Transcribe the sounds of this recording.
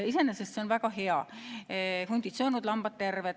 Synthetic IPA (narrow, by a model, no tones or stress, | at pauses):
isenesest̪seonvækɑheɑ | funʲd̪̥it̪seonud̪lɑmb̥ɑt̪ːe̞rʋet̪